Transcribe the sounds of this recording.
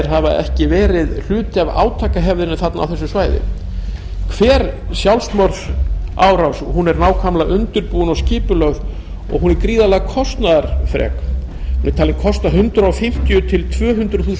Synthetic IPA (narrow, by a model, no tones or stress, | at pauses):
ɾ̥ɦavaʔɛ̰hcɪvɛːɾɪðl̥ʏːt̪ɪava̰ːwt̪ʰaːkaɦɛvðɪnʏθat̪na̰ːwθɛsːʏsvaːjðɪ̰ | kʰv̥ɛːɾsjawlsmœɾθaːwɾawshunɛɾnaːwkʰamlaʔʏnt̪ʏɾpuːʏnɔscɪːpʏlœv | ɔ̰ɣɦunɛɾkɾiːðalaɣkʰɔst̪naðaɾ̥fɾɛ̰ːk | hunɛɾt̪ʰaːlɪmkʰɔst̪aɦʏnt̪ɾaɔwfɪm̥t̪jʏt̪ʰɪlt̪ʰvœːɦʏnt̪ɾʏθuːs